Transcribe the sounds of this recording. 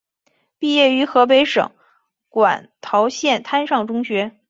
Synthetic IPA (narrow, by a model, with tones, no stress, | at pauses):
pi˥˧jɛ˥˩y˧˥xɤ˧˥p̬e˧˥ɪʂɤ̰˨˩˦ŋ | kwa̰˨˩nt̪ʰɑ˧˥ʊɕjɛ˥˩nt̪ʰa˥nʂɑ˥˩ŋʈ͡ʂʊ˥ŋɕɥɛ˧˥